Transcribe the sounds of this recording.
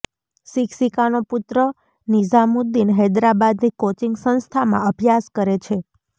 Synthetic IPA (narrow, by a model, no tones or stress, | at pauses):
ʃiksikanoput̪ɾə | nid͡ʒamud̪inɦɛd̪ɾabad̪nikot͡ʃiŋɡsə̃ñst̪ʰamã̰əbʱjaskəɾet͡ʃʰe